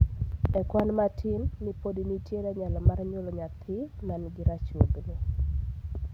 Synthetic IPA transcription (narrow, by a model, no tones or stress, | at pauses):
ɛkwanmatʰɪnnipodinitjeɾaɲalamaɾɲolɔɲat̪ʰɪmanɡɪɾat͡ʃwoɡnɪ